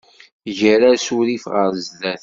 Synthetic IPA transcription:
ʝəɾaɾsuɾifʁəɾzðæθ

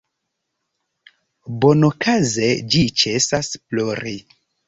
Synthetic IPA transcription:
bonokazed͡ʒit͡ʃesasploɾi

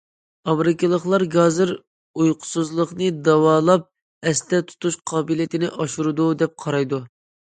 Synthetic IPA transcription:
ɑmɾɪkʲɨlˠəχlˠɑɾɡɑzɨɾ | ujqʰʊ̥suzlˠəχnɨd̪ɑwɑːlˠɑp̚ | ɛst̪ɛt̪ʰu̥t̪uʃqʰɑːbɪlit̪ʰɪnɪʔɑʃuɾɨd̪ud̪ɛp̚qʰɑɾɑjd̪u

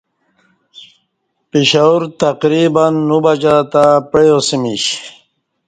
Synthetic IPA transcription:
piɕauɾt̪ɐqɾibanːubad͡ʑat̪apejosimiɕ

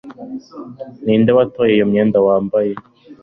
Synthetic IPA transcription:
niːndewatojeijomɲeːndawaːmbaje

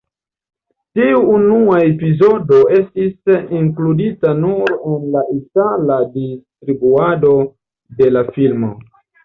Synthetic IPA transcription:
tiuːnuaepizo̞do̞e̞stisiŋkluditanuɾenlaʔitaladistɾibuado̞ | de̞lafilmo̰

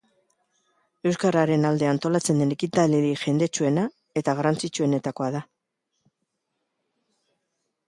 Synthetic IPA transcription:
e̞wskaɾaɾe̞nald̪e̞ant̪o̞lat͡se̞nd̪e̞ne̞kit̪aleɾiʝe̞nd̪e̞t͡ʃue̞na | e̞t̪aɣ̞arant͡sit͡ʃue̞ne̞t̪ako̞aða

